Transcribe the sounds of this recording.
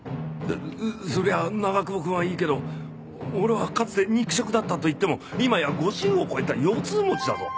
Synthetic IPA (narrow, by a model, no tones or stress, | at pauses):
d̪ḛso̞ɾe̞βanaɡakɯ̟bokɯ̟̃ɰ̃aiːke̞d̪o̞ | oɾe̞βakat͡sɨ̥t̪eɲ̟ikɯ̟ɕo̞kɯ̟d̪at̪ːat̪o̞it̪ːe̞mo̞imajaɡo̞ʑĩɰ̃o̞ko̞et̪ajo̞ːt͡sɨːmo̞t͡ɕid̪at̪o̰